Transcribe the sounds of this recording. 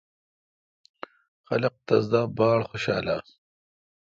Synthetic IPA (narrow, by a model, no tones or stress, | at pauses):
xɐlɐq̚t̪ɐzd̪aːbɑːɽxoɕɑ̰ːlaː